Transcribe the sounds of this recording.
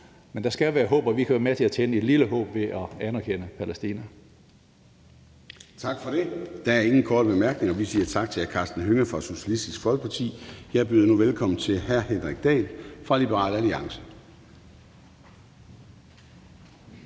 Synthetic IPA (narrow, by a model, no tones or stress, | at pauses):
mend̥ɑ̈sɡ̥æʋæːɐɦɔ̰ːb̥ɐʋikʰæʋæɐmet͡sʰe̝æt͡sʰenəe̝d̥liləɦɔ̰ːb̥ʋe̝ʔɒænɐkʰenəpʰælesd̥iːnɐ | t͡sʰɑ̈ɡ̥fɒ̽ɾ̥e̝d̥ææɐe̝ŋn̩kʰɒːɾəb̥e̝mæɐɡ̥ne̝ŋɒʋisiːɐt͡sʰɑ̈ɡ̥̚t͡sʰe̝æɐkʰɑ̈sd̥n̩ɦøŋəfɒso̝ɕælisd̥isɡ̥fɒ̽lɡ̥̚pʰɑ̈t͡sʰḭːjɑ̈ɪb̥yːðˠɐnuʋelkʰɒ̽m̰n̩t͡sʰe̝lɦæɐhenʁɛɡ̥̚d̥ɛ̰ːlfʁɑ̈lib̥eʁɑ̰̈ːlæliɑ̈ŋsə̥